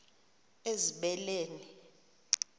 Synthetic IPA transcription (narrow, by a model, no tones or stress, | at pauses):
eziɓɛleːni